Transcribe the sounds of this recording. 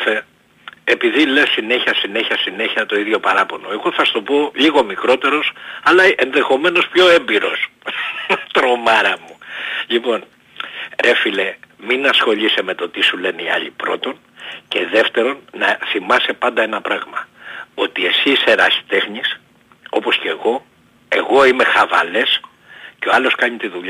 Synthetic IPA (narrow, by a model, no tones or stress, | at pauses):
fe | epiðilessineçiɐsine̞çiɐsine̞çiɐt̪o̞iðʝo̞pɐɾɐpo̞no̞e̞ɣo̞θɐst̪o̞po̞liɣo̞mikɾo̞t̪e̞ɾo̞sɐlɐenðe̞xo̞me̞no̞spço̞e̞mbiɾo̞̰s | t̪ɾo̞mɐɾɐmuʎipo̞n | ɾʔe̞file̞minɐsxo̞ʎise̞me̞t̪o̞t̪isule̞niɐ̰ʎipɾo̞̰t̪o̞n | ce̞ðe̞ft̪e̞ɾo̞nːɐθimɐse̞pɐnd̪ɐe̞nɐpɾɐɣmɐo̞t̪ie̞siseɾɐsi̥t̪e̞xɲis | o̞po̞sce̞ɣo̞ | e̞̰ɣo̞ime̞xɐvɐ̰le̞s | ceo̞ɐlo̞skɐɲit̪iðuʎɐ